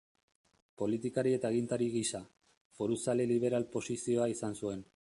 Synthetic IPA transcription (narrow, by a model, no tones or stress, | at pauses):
po̞lit̪ikaɾie̞t̪aeɣ̞int̪aɾiɣisa | fo̞ɾusaleliβ̞e̞ɾalpo̞sisio̞aisansue̞n